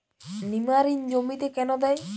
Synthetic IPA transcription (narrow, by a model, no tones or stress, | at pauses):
nimaɾind͡ʑomit̪ekɛnɔd̪aj